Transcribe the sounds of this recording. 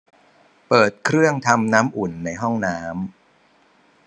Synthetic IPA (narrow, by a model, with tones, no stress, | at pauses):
pɤː˨˩t̪̚kʰɾɯ˥˩əŋt̪ʰa˧mnaː˦˥mʔu˨˩nːa˧jɦɔ˥˩ŋnaː˦˥m